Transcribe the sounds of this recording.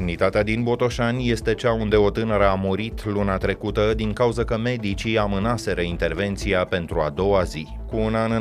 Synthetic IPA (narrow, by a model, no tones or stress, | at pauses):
nit̪at̪ead̪inbo̞t̪o̞ʃanʲje̞st̪e̞t͡ʃaund̪e̞o̞t̪ɨnəɾəamoɾit̪luneat̪ɾe̞kut̪əd̪iŋkauzəkəme̞d̪it͡ʃiamɨnase̞ɾəint̪e̞rve̞nt̪siape̞nt̪ɾuad̪o̞wazi | kuːnanɨ